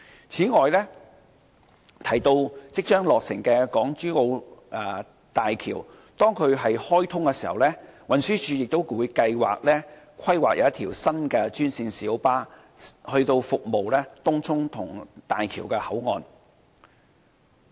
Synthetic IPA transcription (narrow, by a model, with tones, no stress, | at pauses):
t͡sʰiː˨˥ŋɔː˨jlɛː˥ | t̪ʰɐ˨˩jt̪o˧wt͡sɪ˥k̚t͡ʃœː˥ŋlɔː˨k̚sɪ̰˨˩ŋkɛː˧kɔː˨˥ŋt͡ʃyː˥ŋo˧wʔɛː˨˩ | t̪aː˨jkʰḭː˨˩w | t̪ɔː˥ŋkʰɵ˨˧ɥɦɐ˨jhɔː˥jt̪ʰʊ˥ŋkɛ˧siː˨˩hɐ̰˨wlɛː˥wɐ˨nsyː˥t͡ʃʰyː˨˧jɪ˨k̚t̪o˥wkuː˨˧jkɐ˧jwa̰ː˨k̚lɛː˥ | kʷʰɐ˥jwaː˨k̚jɐ̰˨˧˦ɐ˥t̪ʰiː˨˩wsɐ˥nkɛː˧t͡ʃyː˥nsiː˧nsiː˨˥wpaː˥ | hɵ˧ɥt̪o˧wfʊ˨k̚mo˨wlɛː˥t̪ʊ˥ŋt͡sʰʊ˥ŋt̪ʰʊ˨˩ŋt̪aː˨jkʰḭː˨˩wkɛ˧hɐ˨˥wŋɔː˨n